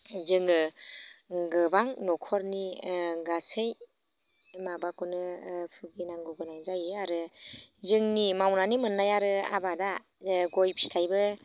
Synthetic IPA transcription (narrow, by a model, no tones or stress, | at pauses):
zɯŋɯ | ɡɯbaŋnɔkʰɔɾniɡasɯj | mabakɔnɯpʰɯɡinaŋɡuɡɯnajzajɯaɾɯzɯŋnimawnanimɯnːajaɾɯa̰bada | ɡɔjpʰi̥stʰajbɯ